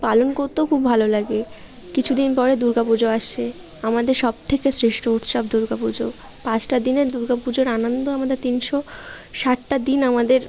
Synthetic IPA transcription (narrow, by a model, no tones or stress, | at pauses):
palonkoɾt̪eokʰubʱalolaɡe | kit͡ɕʰud̪inpɔɾed̪uɾɡapud͡ʑoaʃt͡ɕʰe | amad̪eɾʃɔb̚t̪ʰekesɾeʃʈout̪ʃab̚d̪uɾɡapud͡ʑo | pãt͡ɕʰʈad̪ineɾd̪uɾɡapud͡ʑoɾanond̪oamad̪eɾt̪inʃoʃaʈʈad̪inamad̪eɾ